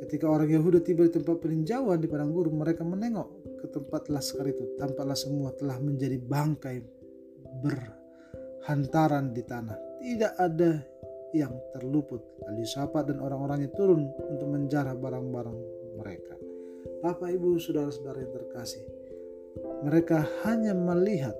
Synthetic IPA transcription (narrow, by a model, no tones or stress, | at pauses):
kət̪ikaoɾaŋjaɦudat̪ibadit̪əmpat̪̚pəliɲd͡ʒawandipadaŋɡuɾuməɾekamənɛŋɔʔkət̪əmpat̪lahsə̥kaɾit̪ut̪ampaʔlahsəmuat̪əlahməɲd͡ʒadibaŋkaj | bər | hant̪aɾandit̪anaht̪idaʔada | jaŋt̪ərlupʊt̪̚alisapat̪̚danʔoɾaŋoɾaŋɲat̪uɾʊnunt̪ʊk̚məɲt͡ʃaɾabaɾaŋbaɾaŋ | məɾḛka | papaibusudaɾasədaɾajaŋt̪ərkasɪh | məɾekahaɲaməliɦat̪̚